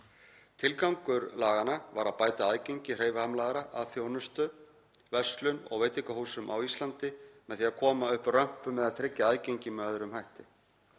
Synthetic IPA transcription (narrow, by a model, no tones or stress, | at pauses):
t̪ʰɪlkawŋkʏɾlaːɣanava̰ɾaðpaːjt̪aaːðcejɲcɪr̥eːjvahamlaɣaɾaʔaðθjoːwnʏst̪ʏ | vɛst̪lʏnɔ̰ɣveːjt̪ɪŋkaɦuːsʏmʔa̰wist̪lant̪ɪmɛðθiːakʰɔːmaʏhprœm̥pʏmːɛðaðt̪ʰɾɪcːaajceɲcɪmœːðɾʏmɦajht̪ɪ